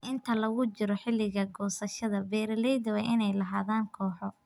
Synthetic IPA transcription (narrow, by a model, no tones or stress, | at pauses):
ʔɪnt̪ʰɐlɐɣʊt͡ʃɪɾɔħɪlːɪɣɐɡɔːsɐʃɐðɐbɛːɾɐlɛjðɐwɛʔɪnɛjlɐɦaːðaːŋkʰɔːħɔ